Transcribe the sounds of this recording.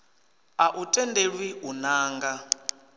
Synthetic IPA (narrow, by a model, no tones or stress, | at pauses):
aʔutʼɛndeɺwiɦunaːŋɡa